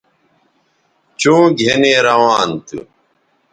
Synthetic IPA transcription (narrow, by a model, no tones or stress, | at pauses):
t͡ɕũːɡʱeneːɾɐwaːnt̪ṵ